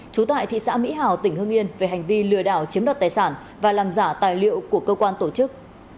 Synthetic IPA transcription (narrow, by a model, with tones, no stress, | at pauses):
t͡ɕu˨˦t̪a̰ː˧˨jt̪ʰḭ˧˨sa̰ː˧˥mḭ˧˥ɦaː˨˩wt̪ï˧˩ŋ̟hɨ˧ŋʔi˧ənve˨˩ɦa˨˩jŋ̟vi˧lɨ˨˩əɗa̰ː˧˩wt͡ɕi˨˦əmɗa˨˩t̚t̪ːjsaː˧˩n | vaː˨˩laː˨˩mzaː˧˩t̪aː˨˩jlḭ˧˨əwku˧˩əkəː˧kwaː˧nt̪o˧˩t͡ɕɨ˦˥k̚